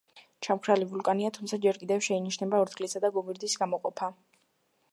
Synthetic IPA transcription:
t͡ʃʰamkʰɾalivulˠkʼaniat̪ʰumtsʰad͡ʒɛɾkʼid̪ɛfʃɛiniʃnɛbaɔɾt̪ɡʼlisad̪aɡɔmiɾd̪isɡamɔqʼɔpʰa

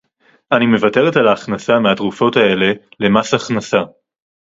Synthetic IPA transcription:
anime̞vate̞ʁetalaːχnasameatʁufo̞tae̞le̞le̞masaχnasa

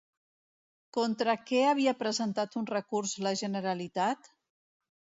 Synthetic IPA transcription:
kont̪ɾəkɛəβ̞iəpɾəzənt̪at̪unrəkurzləʒənəɾəlit̪at̪

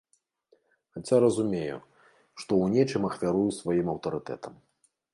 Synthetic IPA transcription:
xat͡sʲaɾɐzumʲejṵ | ʂt̪ɔwnʲɛt͡ʂɨmɐxvʲaɾujusvajimɐwt̪ɐɾɨt̪ɛ̰t̪ɐm

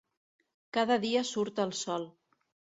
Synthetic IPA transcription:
kaðəðiəsuɾt̪əlˠsɔlˠ

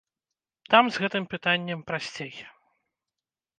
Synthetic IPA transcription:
t̪amzɣɛt̪ɨmpɨt̪anʲːɛmpɾasʲt͡sʲej

